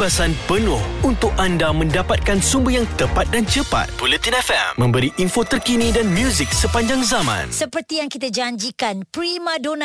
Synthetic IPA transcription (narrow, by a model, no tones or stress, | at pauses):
basanpənʊhunt̪ʊk̚andamə̃ndapat̪̚kansumbəjaŋt̪əpat̪̚dant͡ʃəpa̰t̪̚pulət̪inɛfɛ̰mmə̃mbəɾiʔinfot̪ərkinĩdanmjuzik̚səpaɲd͡ʒaŋzamã̰nsəpərt̪ijaŋkit̪ad͡ʒaɲd͡ʒikanpɾimãdonã